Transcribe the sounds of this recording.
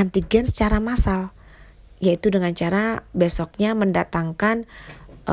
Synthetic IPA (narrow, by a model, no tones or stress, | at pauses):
ant̪iɡɛnsə̥t͡ʃaɾamasal | jait̪udəŋant͡ʃaɾabesɔk̚ɲaməndat̪aŋkan